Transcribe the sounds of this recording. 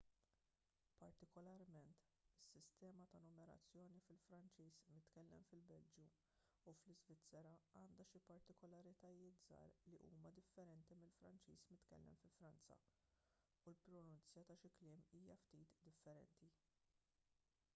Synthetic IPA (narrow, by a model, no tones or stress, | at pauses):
pɐɾt̪ɪkɔlɐɾmɛnt̪ | ɪsːɪst̪ɛːmɐt̪ɐnɔmɛɾɐ̰t͡sːjɔːnifɪlfɾɐnt͡ʃiːzmɪt̪kɛlːɛ̰mfɪlbɛld͡ʒju | uflɪzvɪt͡sːɛɾɐɐːnd̪ɐʃipɐɾt̪ɪkɔlɐɾɪt̪ɐjɪːt̪zɐ̰ːɾliʔṵːmɐd̪ɪfːɛɾɛnt̪imɪlfɾɐ̰nt͡ʃḭːsmɪt̪kɛ̰lːɛ̰mfɪlfɾɐnt͡sɐ̰ | ulpɾɔnʊnt͡sjɐt̪ɐʃɪklɪːmiːjɐft̪iːt̪d̪ɪfːɛɾɛ̰nt̪i